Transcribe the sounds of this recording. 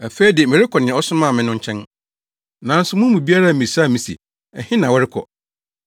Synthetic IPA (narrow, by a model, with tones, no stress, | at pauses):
æ˨fe˦i˦di˨e˨mɪ̃˨ɾɪ˦kʰɔ˨nɪ̃˨˦ɔ˦sʊ̃˦mã˦˨mɪ̃˦nʊ̃˦ɲ˦t͡ɕʰɛ̃˦n | nã˨˦n̩˦sʊ˨˦mʊ̃˦m˦mũ˨bi˦a˦ɾa˦˨mĩ˨sa˦˨mĩ˨sḭ˨ | ɛ˨hɪ̃˦nã˨wɔ˦ɾɪ˦kʰɔ̰˨